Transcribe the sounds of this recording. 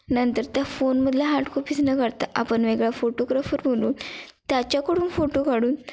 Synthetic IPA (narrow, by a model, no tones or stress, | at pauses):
nənt̪əɾt̪jafonməd̪ʱljaɦaʈkʰopit͡snəkəɾt̪aʔapəɳʋeɡɭafoʈoɡɾafəɾʋoluːnt̪jat͡ɕjakəɽuːnfoʈokaɽuːn